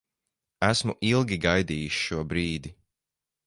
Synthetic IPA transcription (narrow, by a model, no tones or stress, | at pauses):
æsmuʔilˠɡʲiɡajd̪iːjuʃʃuɔbɾiːd̪i